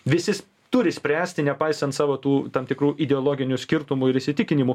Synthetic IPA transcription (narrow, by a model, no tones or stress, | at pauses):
ʋʲɪsʲɪsʲ | t̪ʊɾʲɪsʲpʲɾʲæːsʲt̪ʲɪnʲɛpɐɪsʲɛnt̪sɑːʋoːt̪uːt̪ɐmt̪ʲɪkɾuːʔɪd̪ʲɛolˠoːɡʲɪnʲʊsʲkʲɪɾt̪ʊmʊɪɾɪʃʲsʲɪt̪ʲɪkʲɪnʲɪmʊ